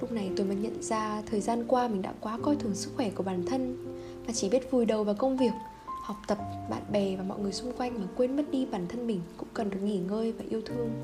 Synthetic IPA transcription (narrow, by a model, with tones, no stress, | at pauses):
lʊ˦˥k͡p̚na˨˩jt̪o˧jməː˨˦ɲə̰˧˨nzaː˧t̪ʰəː˨˩jzaː˧nkwaː˧mï̟˨˩ɗa̰ː˧˥kwaː˨˦kɔ˧jt̪ʰɨ˨˩əŋsɨ˦˥k̚xwɛ˧˩ku˧˩əɓaː˧˩nt̪ʰə˧n | maː˨˩t͡ɕi˧˩ɓi˦˥ət̚vu˨˩jɗə˨˩wvaː˨˩wkə˧wŋ͡mvi˨˩ək̚ | hɔ˨˩wk͡p̚t̪ə˨˩p̚ɓa̰ː˧˨nɓɛ˨˩vaː˨˩mɔ̰˧˨jŋɨ˨˩əjsʊ˧ŋ͡mkwa˧jŋ̟maː˨˩kwe˧nm˦˥t̚ɗi˧ɓaː˧˩nt̪ʰə˧nɓï˨˩ŋ̟kʊ̰˧˥ŋ͡mkə˨˩nɗɨ˨˩k̚ŋi˧˩ŋəː˧jvaː˨˩ʔi˧əwt̪ʰɨ˧əŋ